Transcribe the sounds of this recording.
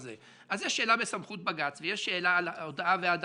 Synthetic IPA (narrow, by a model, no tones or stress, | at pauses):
ze | ʔazjɛʃːe̞ːlabesamχut̪̚baɡat͡svejeʃeːlaalod̪aavead̪